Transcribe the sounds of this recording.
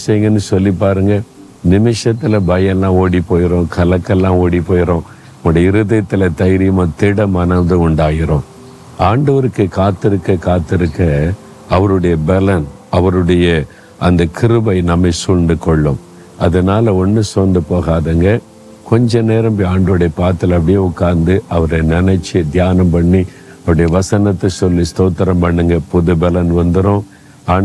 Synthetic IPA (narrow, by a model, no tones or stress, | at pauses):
sɐjɯŋɡɐnːɯsɔlːip̬ːaːɾɯŋɡɐ | nɪmɪʂɐt̪ːɪlɐbɐjɛlːãːoːɽipːoːjɪɾõːkʰɐlɐkːɛlːãːoːɽipːoːjɪɾõː | ɐmɐɽɐɪɾɯðɐɐt̪ːɪlɐt̪ɐjɾɪjɯmaːt̪ɪɽɐmɐnɐmd̪ɯʊɳɖaːjɪɾõː | ʔaːɳɖɐʋɐɾɯkːɯkaːt̪ːɪɾɯkːɐkaːt̪ːɪɾɯkːɐ | ɐʋɐɾɯɽɐjɐbɛlɐn | ɐʋɐɾɯɽɐjɐ | ʔɐnd̪ɐkʰɪɾɯbɐɪnɐmːɐɪsuːnd̪ɯkɔɭːɯm | ɐðɐnaːlɐɔnːɯsoːnd̪ɯpoːɣaːðɐŋɡɐ | kɔɲd͡ʒɐ̃neːɾɐmpaːɳɖɐʋɽɐjɐpaːt̪ːɪlɐpːɐɽɪjeʊkːaːɾnd̪ɯʔɐʋɐɾɐnɪnɐɪt͡ʃːid̪jaːnɐmpɐɳːi | ɐʋɽɐjɐʋɐsɐnɐt̪ːɐsɔlːist̪oːt̪ːɐɾɐmpɐɳːɯŋɡɐpʊðɯbɛlɐnʋɐnd̪ɯɾõː | aː